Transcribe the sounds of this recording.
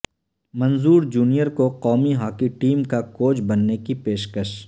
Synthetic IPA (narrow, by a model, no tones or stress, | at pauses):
mɐ̃nzuːɾd͡ʒuːnijəɾkoqɔːmiɦaːkiʈiːmkakoːd͡ʒbɐnːekipeːʃkəʃ